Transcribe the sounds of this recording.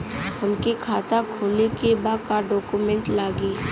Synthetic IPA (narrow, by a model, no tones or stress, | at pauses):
ʊnkekʰaːt̪akʰuːlekebakaɖɔːkumẽɳʈlaːɡiː